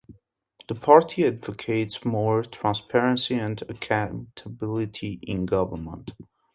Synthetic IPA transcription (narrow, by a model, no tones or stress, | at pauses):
ðəpʰɑɹtʰiædvɨkʰeɪtsmɔɹtʰɹ̥æ̃nspʰɛɹɨ̃nsiɨ̃nəkʰãtʰəbɪlˠɪtʰiʔɪ̃nɡʌvə˞mə̰̃nt